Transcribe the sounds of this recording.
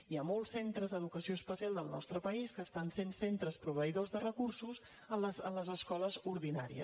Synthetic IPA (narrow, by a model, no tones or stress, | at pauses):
iamolˠsent̪ɾəzðəðukəsioəspəsialˠd̪əlˠnɔ̰st̪ɾəpəiskəːst̪ansensent̪ɾəspɾuβəiðozðərəkursuz | ənləzənləzəskɔləzuɾðinaɾiə̰